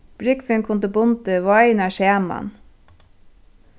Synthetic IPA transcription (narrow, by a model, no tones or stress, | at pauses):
b̥ɾɪkfɪŋkʰʊnt̪əbʊnt̪əʋɑɪnæːʃeːmɑ̰n